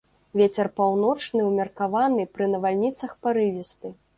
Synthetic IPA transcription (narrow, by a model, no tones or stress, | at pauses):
vʲet͡sʲɛrpawnɔt͡ʂnɨwmʲɛrkavanɨpɾɨnɐvalʲnʲit̪sɐxpaɾɨvʲist̪ɨ